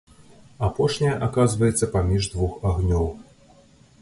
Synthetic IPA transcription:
apɔʂnʲɐjɐʔakazvɐjɛt̪sːɐpamʲiʐd̪vuxaɣnʲɔw

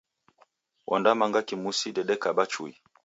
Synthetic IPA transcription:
wʔɔ̰ndamaŋɡakimusidɛɗɛkaɓat͡ʃui

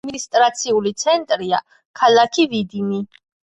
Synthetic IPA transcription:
minist̪ʼɾat̪sʰiulit̪sʰɛnt̪ʼɾia | kʰalˠakʰivid̪imi

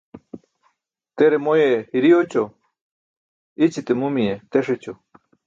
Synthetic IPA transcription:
t̪eɾemojehiɾiot͡ɕo | it͡ɕit̪emumiet̪eʂet͡ɕo

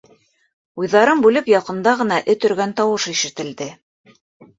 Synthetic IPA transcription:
ujðɑɾɤmbʉlɘpjɑqɤ̆nd̪ɑʁɤ̆nɑʔɘt̪ɵ̆ɾɡænt̪ɑwɤʃiʃɘ̆t̪ɘ̆ld̪ɘ

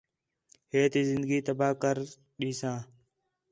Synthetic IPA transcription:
heːt̪iːzɪnd̪əɡiːt̪əbaːkəɾ | ɗiːsãː

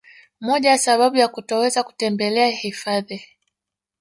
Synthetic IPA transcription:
mɔʄaasaɓaɓujakutɔwɛzaku̥tɛmbɛlɛahifaði

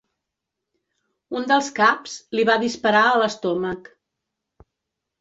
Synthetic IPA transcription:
und̪əlˠskapz̥liβaðispəɾaələst̪ɔmək

